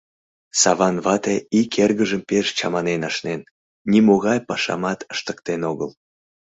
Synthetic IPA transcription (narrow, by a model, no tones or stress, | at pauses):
sɑβɑnβɑt̪eikerɣəʒəmpeʃt͡ɕɑ̰mɑnenɑʃnen | nʲimoɣɑjpɑʃɑ̰mɑt̪əʃt̪ə̥k̚t̪enoɣəl